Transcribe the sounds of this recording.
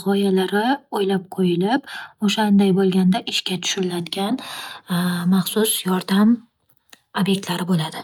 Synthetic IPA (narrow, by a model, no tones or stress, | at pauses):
ʁɒjalaɾɪojlap̚qʰojɪlɪpoʃand̪ajbolˠɡʲand̪aʔɪʃkʲat̪ʰʊ̥ʃʊɾɪlad̪ɪɡʲan | maχsʊsjɒɾd̪am | obje̞k̚ʲt̪laɾɪbolad̪ɪ